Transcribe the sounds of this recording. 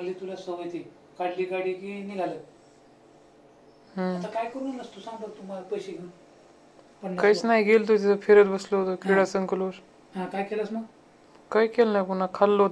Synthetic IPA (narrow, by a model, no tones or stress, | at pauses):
məlit̪ulasəʋəjt̪i | kaɽliːkaɽikiniɡʱalə | ɦəɐt̪akajkəɾuːnnəst̪osãŋɡt̪ət̪umalapəjɕeɡel | pəɳlkajt͡snaɦiɡelt̪̬ot̪̬it̪ʰafʰeɾət͡sbəsloɦot̪okiɽasənkəloɾ | ɦãkajkelasməɡ | kajkelnajpunakʰalːoɦt̪